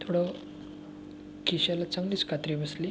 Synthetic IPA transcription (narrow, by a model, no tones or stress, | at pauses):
t̪ʰoɽə | kiɕalat͡səŋɡliːt͡skʰat̪ɾibəsli